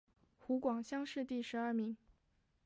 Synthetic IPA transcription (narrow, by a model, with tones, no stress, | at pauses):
xu˧˥kwɑ˨˩ŋɕjɑ˥ŋʂɻ̩˥˧t̪i˥˩ʂɻ̩˧˥ɐ˞˥˩mi˧˥ŋ